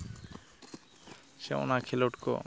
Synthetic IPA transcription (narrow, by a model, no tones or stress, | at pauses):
ʃeo̰nakʰeloʈko̰